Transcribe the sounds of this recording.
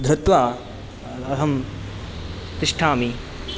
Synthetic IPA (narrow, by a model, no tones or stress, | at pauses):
d̪ʱɾɐt̪ʋaː | ɐɦɐm | t̪ɪʂʈʰaːmi